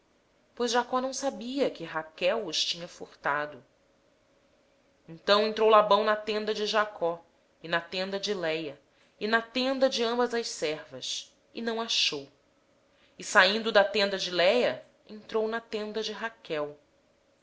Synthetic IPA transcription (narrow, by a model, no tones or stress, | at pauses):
pojzʒakɔnɐ̃w̃sabiɐkɪɦakɛwʊʃt͡ʃĩɲɐfoɾt̪ad̪ʊ | ẽnt̪ɐ̃w̃ẽnt̪ɾowlabɐ̃w̃nɐt̪ẽnd̪ɐd͡ʒɪʒakʰɔ | ɪnɐt̪ẽnd̪ɐd͡ʒɪlɛjɐ | ɪnɐt̪ẽnd̪ɐd͡ʒɪɐ̃mbɐzɐʃsɛɾvɐ̰s | ɪ̰nɐ̃w̃aʃow | ɪsaĩnd̪ʊd̪ɐt̪ẽnd̪ɐd͡ʒɪlɛjɐ | ḛ̃nt̪ɾownɐt̪ẽnd̪ɐd͡ʒɪɦakɛw